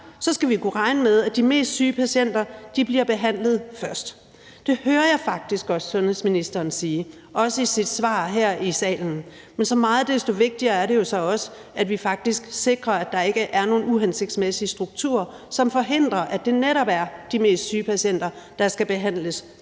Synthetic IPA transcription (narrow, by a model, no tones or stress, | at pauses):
sɒ̽sɡ̥æʋikʰuʁɑ̈ɪnəmeð̞ˠæd̥ime̝̰ːsd̥syːpʰæɕen̰d̥ɐd̥ib̥liɐb̥e̝ɦæn̰lð̞̩ˠfɶɐsd̥ | d̥e̝høːɐjɑ̈fɑ̈ɡ̥̚d̥isɡ̥ɒ̽ssɔ̽nheðˠsminisd̥ɐːnsiː | ʔɒ̽səisid̥sʋɑ̰̈ːɦeɐ̰isɛ̰ːln̩ | mensɒ̽mɑ̈ːð̩ˠd̥esd̥o̝ʋe̝ɡ̥̚d̥iɐːæɐɾe̝jo̝sɒ̽ɒ̽sə̥ | æd̥ʋifɑ̈ɡ̥̚d̥isɡ̥se̝ɡ̥ʁɐæd̥ɑ̈e̝ɡ̥əʔæɐno̝ːnuɦense̝ɡ̥̚d̥smesiəsd̥ʁuɡ̥̚t͡sʰṵɐ̰ | sɒ̽mfɒ̽ɦe̝n̰d̥ʁɐʔæd̥e̝neɾɒ̽b̥æɐd̥ime̝̰ːsd̥syːpʰæɕen̰d̥ɐd̥ɑ̈sɡ̥æb̥e̝ɦæn̰ləs